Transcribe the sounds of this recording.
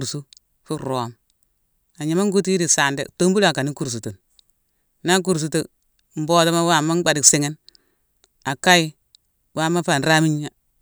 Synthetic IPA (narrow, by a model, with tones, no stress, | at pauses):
ɾsu˦ | fu˦ɾo˨˦m | a˨ɲi˨˦ma˦ŋ˦ɡu˦ti˦di˨sa˨ndḛ˦to˦m˦bu˦la˨ka˨ni˦ku˨ɾs̬u˨tu˨n | na˦k̬u˨ɾs̬u˨to˦˨˦ | m̩˦bo˦ta˦ma˦wa˦˨ma˦ɡ͡ba˨di˨ksi˨ŋe˦n | a˨ka˦i˦ | wa˦˨ma˦fa˨n˨ɾa˦mi˦ɲ˦a˦